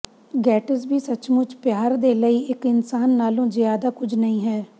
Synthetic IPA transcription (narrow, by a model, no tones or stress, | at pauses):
ɡɛːʈəs̬biːsət͡ʃmʊt͡ʃpjaːɾd̪eːləiːʔɪkɪnsaːnːaːlõːzɪjaːd̪aːkʊd͡ʒnəĩːɦɛː